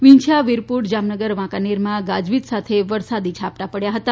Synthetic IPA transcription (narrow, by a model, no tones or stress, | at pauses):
ʋiɲt͡ʃʰaʋiɾpuʈd͡ʒamnəɡəɾʋãkaneɾmãɡad͡ʒʋit̪sat̪ʰeʋəɾsad̪it͡ʃʰap̚ʈapəɽjaɦət̪a